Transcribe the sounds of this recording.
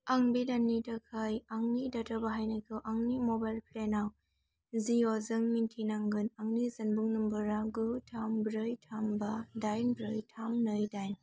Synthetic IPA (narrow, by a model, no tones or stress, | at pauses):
aŋbidanːidakʰajaŋnidatʰabaɦajnajkʰɯwʔaŋnimobajlpʰlenaw | ziozɯŋmintʰinaŋɡɯnaŋnizɯnbuŋnɯmbɯɾaɡɯtʰambɾɯjtʰambadajnbɾɯjtʰamnɯjdajn